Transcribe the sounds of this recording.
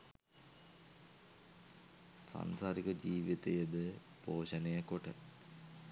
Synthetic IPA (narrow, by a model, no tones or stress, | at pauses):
sa̰nsaːɾikəd͡ʒiːʋit̪əjəd̪ə | poːʃənejəkoʈə̰